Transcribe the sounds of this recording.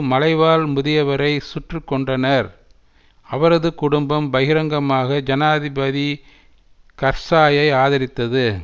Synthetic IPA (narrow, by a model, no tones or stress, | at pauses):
mɐlɐɪʋaːlmʊðɪjɐʋɐɾɐɪsʊʈrɯkːɔɳɖrɐnɐɾ | ɐʋɐɾɐðɯkʊɽɯmbɐmbɐɣɪɾɐŋɡɐmaːɣɐd͡ʒɐnaːðɪbɐði | kɐɾsaːjɐɪaːðɐɾɪt̪ːɐðɯ